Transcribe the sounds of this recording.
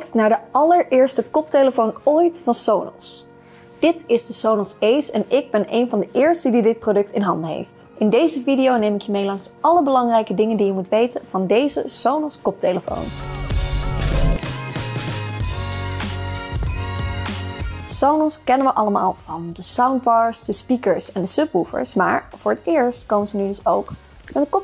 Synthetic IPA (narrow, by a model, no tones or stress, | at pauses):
k̚tnaːɹdəɑləɹɪːɹstəkɔp̚tejləfownojtfɑnsownɔ̰s | d̥ɪtɪzdəsownɔsejsɛnɪɡ̚bɛnejnvɑndəʔɪːɹstədidɪt̚prowdɵk̚tɪnɦɑndəɦḛjftɪndejzəvidijownejmɪkjəmejlɑŋsɑləbəlɑŋrɛjkədɪŋəndijəmutʋejtənv̥ɑndejzə̰sownɔskɔp̚tejləfo̰wn | sownɔskɛnənʋəʔɑləma̰ːlˠv̥ɑndəsawnd̚bɑːɹsd̥əspikəɹsɛndəsɵpufə̰ɹsma̰ːɹv̥ʊːɹətɪːɹstkowməzənydɵsowk | mɛəkɔ